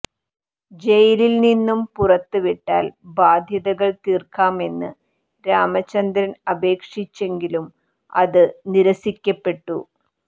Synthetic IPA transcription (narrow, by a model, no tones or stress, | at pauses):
d͡ʑejlilninːumpurɐt̪ːɨʋiʈːa̰ːlbaːd̪ʱjɐðɐɣɐɭt̪iːrkaːme̞nːɨ | ɾaːmɐt͡ɕːɐnd̪ɾɐnɐbe̞ːkʂit͡ɕːe̞ŋɡilum | ɐðɨniɾɐsikʲːɐpːe̞ʈːṵ